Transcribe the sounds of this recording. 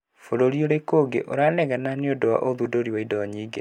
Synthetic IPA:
foɾoɾioɾekoɡḛʔoɾanɛɣananeodowa̰ʔoðudoɾiwaidɔaɲiːɡe

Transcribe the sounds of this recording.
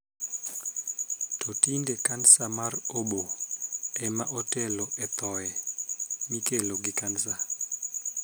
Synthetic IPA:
tʰotindekansamaroɓo | ɛmaʔotɛloɛt̪ɔɛ | mikeloɡikans̬a

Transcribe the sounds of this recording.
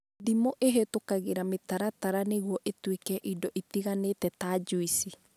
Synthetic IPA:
ðimoʔeɦetokaɣeɾametaɾataɾaneɣuɔʔetwekɛʔidɔʔitiɣanetɛtad͡ʒuisi

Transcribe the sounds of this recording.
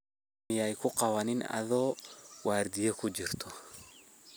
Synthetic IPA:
mɪjajkʰʊqɑwɐnɪnɐ̰ðɔːwʔaːɾd̪ɪjɛkʰʊd͡ʒɪrt̪ʰɔ

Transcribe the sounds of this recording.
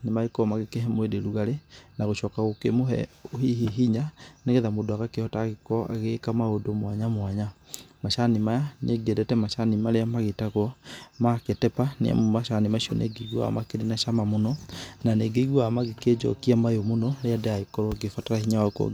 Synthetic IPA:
nemaɣekɔmaɣekeɦɛmoedeɾuɣaɾenaɣoʃɔːkaɣokemoɦɛ̰ohiɦiɦiɲaneɣeðamodɔaɣakehɔtaɣekɔa̰ɣekamaodomwaɲamwaɲamaʃanimajaneɡiɛdɛtɛmaʃanimaɾeamaɣetaɣwɔmaketɛpanḛa̰momaʃanemaʃiɔ̰nʔḛɡeiɣwɔ̰a̰makeɾenaʃamamonɔnaneɡeiɣwɔamaɣeked͡ʒɔ̰kiamajomonɔɾeadɛaekɔɾɔɡefataɾahiɲawakɔ̰

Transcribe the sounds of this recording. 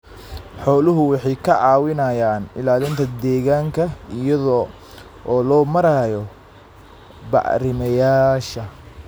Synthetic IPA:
ħɔːlʊɦʊwɑħɑjkʰɐʕɑːwɪnɐjaːnɪlaːlɪnt̪ʰɐd̪ɛːɣaːŋkʰɐijɐðɔ | ʔɔːlɔːmɐɾaːjɔ | bɑ̰ʕɾɪmɐjaːʃɐ

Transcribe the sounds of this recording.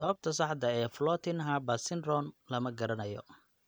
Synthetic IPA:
sɐβɐb̚t̪ʰɐs̬ɑħd̪ɐɛːflɔːt̪ʰɪnɦɐbɐsɪnrɔnlɐmɐɡɐɾɐnɐjɔ̰

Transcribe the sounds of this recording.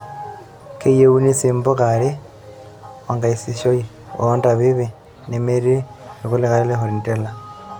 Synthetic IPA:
kejeunisiːmbokali | oŋɡaisiʃoḭ | ontaβiβi | nemeɾilikulixalilexulintela

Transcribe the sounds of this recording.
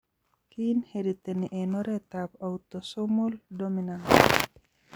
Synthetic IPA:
kinhedit̪eniʔenɔɾet̪apaut̪osomoldominant

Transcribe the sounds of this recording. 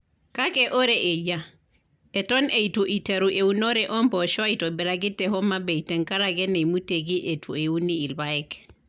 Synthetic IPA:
kakeʔoɾeʔeja | etɔneituʔiteɾuʔeunɔɾɛʔɔmpɔʃɔaitɔbiɾaɡitːɛhɔmabeitɛŋkaɾaɡɛnejmuteɡiʔetʰueuniːlbaɛk

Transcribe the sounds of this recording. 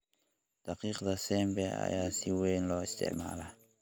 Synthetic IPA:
d̪̥aqiːqd̪asɛmbɛa̰jasiwenlɔist̪ɛ̰ma̰la

